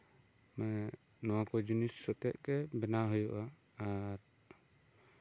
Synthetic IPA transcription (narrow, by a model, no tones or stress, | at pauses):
mɛ | nɔwakɔd͡ʒunisːɔt̪ɛʔ̚kɛbɛnaɦɔjɔʔaː | ɾ